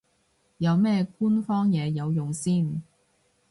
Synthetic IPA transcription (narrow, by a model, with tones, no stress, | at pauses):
jɐ˨˧wmɛː˥kuː˥nfɔː˥ŋjɛː˨˧jɐ˨˧wjʊ˨ŋsiː˥˩n